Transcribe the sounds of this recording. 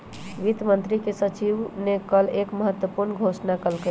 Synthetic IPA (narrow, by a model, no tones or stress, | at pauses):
ʋit̪mənt̪ɾikesət͡ʃiʋnekəlekməɦət̪wəpuɾnɡʱosnakəlkə